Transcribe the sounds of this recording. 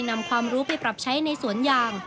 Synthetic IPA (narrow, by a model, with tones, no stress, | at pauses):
jna˧mkʰwaː˧mɾuː˦˥pa˧jpɾa˨˩p̚t͡ɕʰa˦˥jna˧jsu˨˩˦ənjaː˨˧˩ŋ